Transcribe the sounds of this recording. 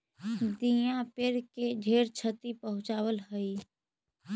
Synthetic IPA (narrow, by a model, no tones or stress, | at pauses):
d̪ijãpeɾked͡ʒʱeːɾt͡ʃʰət̪ipəɦʊ̃t͡ʃaːwəlɦəi